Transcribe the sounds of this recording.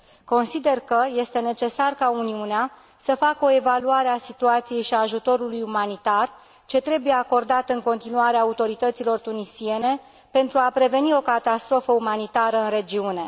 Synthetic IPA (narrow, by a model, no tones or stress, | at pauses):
ko̞nsid̪e̞rkəje̞st̪e̞ne̞t͡ʃe̞sarkauniunea | səfakəo̞e̞valuaɾeasit̪uat̪sije̞jʃiaːʒut̪o̞ɾulujumanit̪ar | t͡ʃe̞t̪ɾe̞buje̞ako̞rd̪at̪ɨŋko̞nt̪inuaɾeaut̪o̞ɾit̪ət̪silo̞rt̪unisie̞ne̞ | pe̞nt̪ɾuapɾe̞ve̞nio̞kat̪ast̪ɾo̞fəumanit̪aɾəɨnre̞d͡ʒiune̞